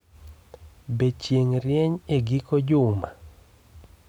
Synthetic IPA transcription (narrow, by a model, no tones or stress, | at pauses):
bet͡ʃjeŋɾjeɲeɡikod͡ʒʊma